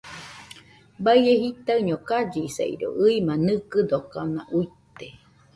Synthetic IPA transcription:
baieɦit̪aɯɲokad͡ʒisa̰ḭɾo̰ʔɨimanɨkɨd̪okana̰ʔuit̪e

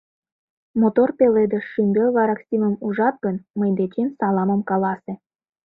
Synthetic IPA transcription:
mot̪orpeled̪əʃːymbʲelβɑɾɑksʲiməmuʒɑt̪̚ɡənməjd̪et͡ɕemsɑlɑməmkɑlɑse

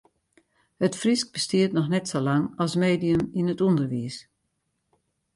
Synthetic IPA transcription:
hətfrisk̚b̥əstiətnɔxnɛtsolaŋɑlˠsmeːdijəminətundərʋis

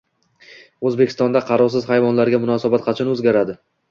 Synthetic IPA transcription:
ɵzbekʲʰɪst̪ɒnd̪aqʰɑɾɒɾsɪz̥hajvɒnlaɾɡʲamʊnɒsabat̪̚qʰɑt͡ʃʰanɵzɡʲaɾad̪ɪ

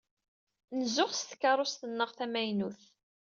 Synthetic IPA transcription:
nəzʊʁst̪ə̥kːɑɾˤost̪ənːəʁθæmæjnuθ

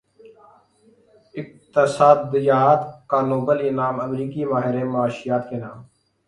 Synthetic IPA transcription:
ɪk̚t̪əsaːd̪ːəjaːd̪kaːnoːbəlɪnaːməmɾiːkiːmaːɦɪɾẽːmaːʃɪjaːt̪keːnãːm

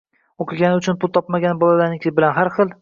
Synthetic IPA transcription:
oqʰɨɡʲanɪʊt͡ʃʰʊnpʊlˠt̪ʰɒpmaɡʲanbɒlalanɪkʲʰbɪlanɦaɾχɨlˠ

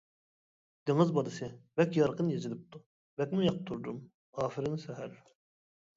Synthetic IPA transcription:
d̪̥eŋɯzbɑd̪ɨsɪvɛkʲjɑɾqʰɯnjezilɪp̚t̪ʰu | vɛkʲmɪjɑq̚t̪ʰːuɾd̪um | ɑːfiɾɪnsɛɦæɾ

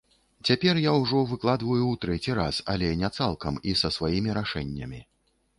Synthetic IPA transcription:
t͡sʲapʲɛrjawʐɔvɨklˠad̪vɐjuwt̪ɾɛt͡sʲiɾa̰sa̰lʲɛnʲɛt̪salˠkɐmisɐsvajimʲiɾaʂɛnʲːɐmʲi

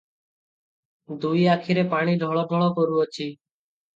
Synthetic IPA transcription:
d̪uiːakʰiɾepaɽ̃iːɖʱɔɭoːɖʱɔɭoːkoɾuot͡ʃʰiː

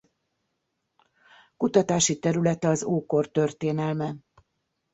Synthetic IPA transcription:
kut̪ɒt̪aːʃit̪ɛɾylɛt̪ɛɒzoːkort̪ø̞rt̪eːnɛlmɛn

